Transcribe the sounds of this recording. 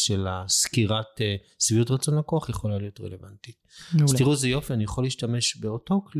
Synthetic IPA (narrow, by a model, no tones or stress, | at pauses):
ʃelaskiʁate | sviutʁat͡so̞nlakoaχjeχo̞lalijo̞tʁḛle̞vantitstiʁuzejo̞fianijaχolːiːʃtame̞ʃbeo̞to̞kl